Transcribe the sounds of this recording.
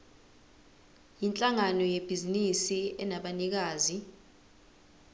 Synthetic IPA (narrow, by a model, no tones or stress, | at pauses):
jint͡ɬʼaŋanɔjeb̥ʱizinisiɛnaɓanik̬aːzi